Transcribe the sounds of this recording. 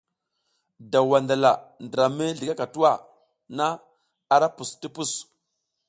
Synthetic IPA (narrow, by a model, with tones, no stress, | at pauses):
da˨wa˨nda˨la˨ndə˨ɾa˨me˦ɮi˨ɡa˦ka˨tu˦wa˦˨ | na˦ | a˨ɾa˦pu˨sti˦pu˦˨s